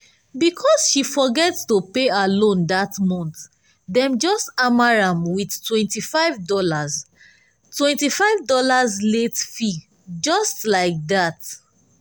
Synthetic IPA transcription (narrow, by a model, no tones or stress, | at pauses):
bikʰɔsʃifɔɡɛtstopealõndatmɔ̃nt̪ | dɛ̃md͡ʒɔstamaɹãmwidtwɛ̃ntifaɪvdɔlaz | twɛ̃ntifaɪvdɔlazletfi | d͡ʒɔstlaɪk̚dat